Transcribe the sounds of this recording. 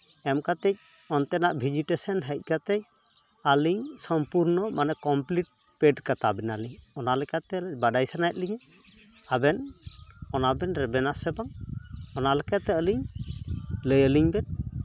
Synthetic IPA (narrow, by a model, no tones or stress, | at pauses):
ɛmkat̪ɛc̚ | ɔnt̪ɛnaʔbʱid͡ʒiʈɛsɔnɦəjc̚kat̪ɛc̚ | aliɲsɔmpuɾnɔmanɛkɔmpliʈ̚ | pɛɖkat̪abɛnaliɲɔnalɛkat̪ɛbaɖajsanajt̪̚liɲɛ | abɛn | ɔnabɛnɾɛbɛnasɛbaŋɔnalɛkat̪ɛəliɲ | ləjəliɲbɛt̪̚